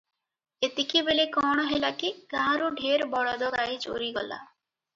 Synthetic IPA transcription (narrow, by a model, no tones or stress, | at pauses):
et̪ikibelekɔɽ̃ɔɦelakiɡãɾuɖʱeɾbɔɽad̪ɔɡajd͡ʒo̰ɾiɡɔ̰la̰